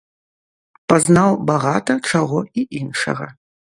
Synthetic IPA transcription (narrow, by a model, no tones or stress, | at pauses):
pɐznawbaɣat̪ɐʈ͡ʂaɣɔiʔinʂɐ̰ɣɐ̰